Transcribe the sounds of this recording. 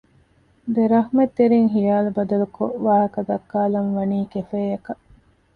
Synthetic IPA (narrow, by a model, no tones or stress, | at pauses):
d̪eɾɐɦmet̪ːeɾiŋɦijaːlubɐd̪ɐlukoʔʋaːɦɐkɐd̪ɐkːaːlɐnʋɐniːkefeːjɐkɐ